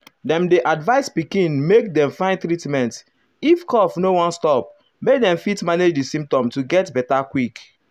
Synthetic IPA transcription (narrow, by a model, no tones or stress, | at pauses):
dɛ̃mdeʔadvaɪspikĩnmek̚dɛ̃mfãɪ̃ntɹitmɛ̃nt | ifkɔfnowɔ̃nstɔp̚ | mek̚dɛ̃mfitmaned͡ʒdisĩmp̚tɔ̃mtuɡɛtbɛtakwik